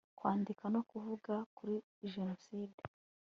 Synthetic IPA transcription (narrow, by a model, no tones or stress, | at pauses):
kwaːndikano̞kuvuɡakuɾi | ʒe̞no̞siːde